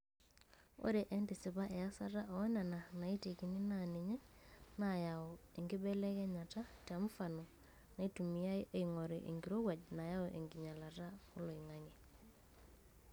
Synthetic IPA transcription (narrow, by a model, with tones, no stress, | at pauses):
o̰˦ɾe˨ʔe˦ndi˨si˨βa˦ʔe˨ja˦sa˦ta˦ʔɔ˦na˨na˨na˨i˦te˨ki˨ni˦nani˨ɲe˦na˨ja˨ɔ˨e˨ŋɡi˦ɓɛ˦lɛ˦kɛ˦ɲa˨ta˦ta˨m̩˦fa˨nɔ˨ | na˨i˦tu˨mi˨a˦jʔe˦˨iŋo˨ɾe˨ʔḛ˨ŋɡiɾo˦wa˨ɟna˨ja˦ɔ˨ʔḛ˨ŋɡi˨ɲa˨la˨ta˦o˦lo˨i˨ŋa˦ŋe˨